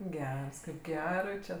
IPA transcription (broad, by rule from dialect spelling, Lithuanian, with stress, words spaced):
ˈɡʲɛrs ˈkɐɪp ˈɡʲæːrɐɪ t͡ʃʲɛ